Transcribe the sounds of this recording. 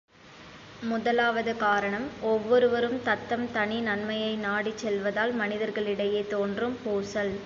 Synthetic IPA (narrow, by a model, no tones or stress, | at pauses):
mʊðɐlaːʋɐðɯkaːɾɐɳɐmɔʋːɔɾɯʋɐɾɯmt̪ɐt̪ːɐmt̪ɐɳinɐnmɐjɐɪnaːɽit͡ʃːɛlʋɐðaːlmɐnɪðɐɾɣɐɭɪɽɐjeːt̪oːndrɯmpoːsɐl